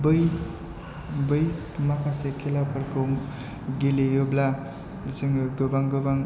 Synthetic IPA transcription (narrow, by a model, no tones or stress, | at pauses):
bɯj | bɯj | mapʰasekʰelapʰəɾko | ɡelejobla | səŋɡobaŋɡobaŋ